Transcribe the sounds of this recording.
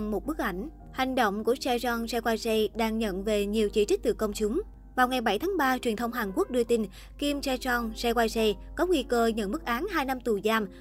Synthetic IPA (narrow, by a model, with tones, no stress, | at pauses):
ŋmo˨˩t̚ɓɨ˦˥k̚ʔa̰˧˩jŋ̟ | ha˨˩jŋ̟ɗo̰˧˨wŋ͡mku˧˩əsɛ˧t͡ɕɔ˧nsɛ˧kwaː˧jsɛ˧ɗaː˧ŋɲə̰˧˨nve˨˩ɲi˨˩əwt͡ɕḭ˧˩t͡ɕi˦˥k̟̚t̪ɨ̰˧˨˩kə˧wŋ͡mt͡ɕʊ˨˦ŋ͡m | vaː˨˩wŋa˨˩jɓa˧˩jt̪ʰaː˨˦ŋɓaː˧t͡ɕwi˨˩ənt̪ʰə˧wŋ͡mɦaː˨˩nku˦˥ək̚ɗɨ˧ət̪i˧n | ki˧msɛ˧t͡ɕɔ˧nsɛ˧kwaː˧jsɛ˧kɔ˨˦ŋwi˧kəː˧ɲə̰˧˨nmɨ˦˥k̚ʔaː˨˦nɦaː˧jna˧mt̪u˨˩zaː˧˩m